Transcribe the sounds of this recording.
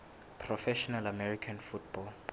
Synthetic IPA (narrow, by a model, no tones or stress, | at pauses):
pʰrɔfɛʃɔnalamɛrikʰanfutbɔl